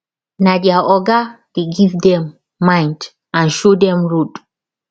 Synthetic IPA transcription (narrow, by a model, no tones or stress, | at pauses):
nadɛaʔɔɡad̥eɡivdɛ̃mː | ãj̃nd | ãnʃodɛ̃mɹod